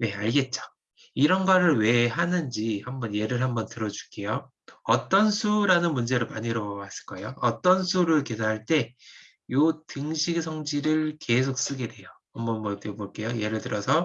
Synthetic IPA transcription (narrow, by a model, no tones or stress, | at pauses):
ne̞aɭɡe̞t̚t͡ɕ͈o̥ | iɾʌnɡʌɾɯɭwe̞ɦanɯnd͡ʑihambʌnje̞ɾɯɭɦambʌntɯɾʌd͡ʑuk͈e̞jo | ʌt͈ʌnsʰuɾanɯnmund͡ʑe̞ɾɯɭmaɲiɾʌwas͈ɯ̥ɭk͈ajoʌt͈ʌnsʰuɾɯɭkesʰaɦaɭt͈e̞ | jotɯŋɕʰiɡsʰʌŋd͡ʑiɾɯɭke̞sʰok̚s͈ɯɡe̞dwe̞jo | ʌmbʌnmwʌt͈eboɭk͈e̞joje̞ɾɯɭtɯɾʌsʰʌ